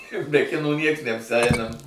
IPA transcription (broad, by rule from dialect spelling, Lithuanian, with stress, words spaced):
bʲɛ ˈkʲɪnuː ˈnʲiɛks nʲɛɐpʲsʲˈɛɪnɐm